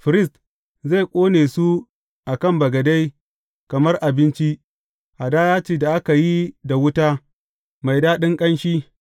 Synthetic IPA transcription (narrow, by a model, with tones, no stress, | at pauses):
ɸɪ˨ɾɪ˦st | za˦˨jkʷʼoː˦neː˨su˦ | ʔa˨kɐ˦mbɐ˨ɡɐ˨da˦j | kɐ˨mɐ˦rʔa˨bɪ˦nt͡ʃi˦ | ʔa˨daː˦jaː˦t͡ʃeː˦da˨ʔa˦ka˨ji˦da˨wʊ˦taː˦ | ma˨jdaː˦ɗɪ˦ŋkʼɐ˦nʃi˦